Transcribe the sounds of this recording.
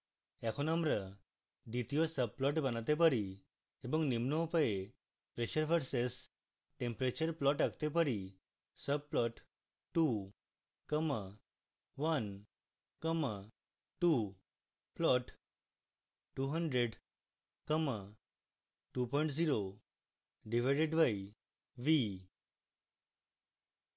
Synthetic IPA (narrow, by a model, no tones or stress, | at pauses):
ɛkʰonəmɾə | d̪it̪ijɔsəb̚plɔʈbənat̪ep̬əɾi | ebəŋɡnimnopəe | pɾeɕəɾfəɾses | ʈẽmpɾet͡ɕəɾplɔʈakt̪ep̬əɾi | səb̚plɔʈ | ʈːu | kəmə | ʋən | kəma | ʈu | plɔʈ | ʈuɦəɳɖɾeɖ | kəma | ʈupɔjɳʈd͡ziɾo | ɖiʋ̤ajɖeɖʋaj | ʋi